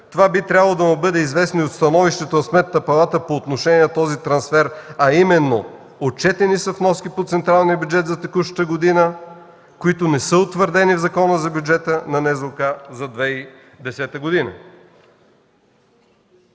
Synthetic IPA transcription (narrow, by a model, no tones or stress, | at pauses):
t̪ovabit̪ɾʲabəlˠod̪ɐmubɤd̪ɛizvɛsnoiot̪st̪ɐnɔviʃt̪ɛt̪onɐsmɛt̪nɐpɐlˠat̪əpoːt̪noʃɛnʲiɛnt̪ɔzit̪ɾɐnsfɛɾɐimɛnːo | ot͡ʃɛt̪ɛnisəfnɔskipot̪sɛnt̪ɾalˠnijəbjud͡ʒɛt̪zɐt̪ɛkuʃə̥t̪əɡod̪inə | koit̪onɛsəot̪vəɾd̪ɛnivzɐkɔnəzɐbʲjud͡ʒɛt̪ənɐnɛzokazɐd̪vɛi | d̪ɛsɛt̪əɡod̪inə̰